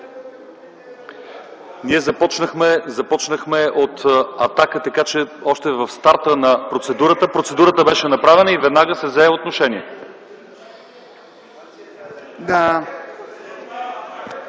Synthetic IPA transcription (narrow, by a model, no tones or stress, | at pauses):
niɛzɐpɔt͡ʃnəxmɛzɐpɔt͡ʃnəxmɛʔot̪ɐt̪akət̪ɐkat͡ʃɛɔʃt̪ɛvəfst̪aɾt̪ənɐpɾot̪sɛd̪uɾət̪əpɾot̪sɛd̪uɾət̪əbɛʃɛnɐpɾavɛnəivɛd̪naɡəsɛvzɛɛot̪noʃɛniɛ | d̪a